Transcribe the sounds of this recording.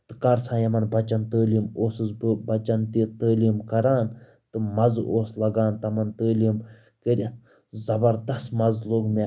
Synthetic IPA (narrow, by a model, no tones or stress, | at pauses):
t̪ɨkaːɾsʰãːjɐmɐnbɐt͡ʃɐnt̪əːlʲimoːsɨzbɨbɐt͡ʃɐnt̪it̪əːlimkɐɾaːn | t̪ɨmɐzoːslɐɡaːnt̪ɐmɐnt̪əːlim | kəɾʲɐt̪ | zɐbɐɾd̪ɐst̪mɐzloɡme